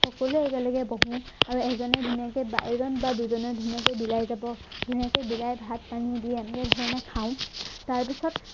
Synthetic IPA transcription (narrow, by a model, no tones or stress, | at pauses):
xɔkɔluɛkalɔɡɛbɔɦũaɹuɛkzɔnɔdʱunijakeba̰jɹɔnbaduzɔnɔdʱunijakebilajzabɔd̥ʱunijakebilajbʱat̚panidiɛɛnɛkɛdʱɔɹɛnakʰãʊ̃taɹpisɔt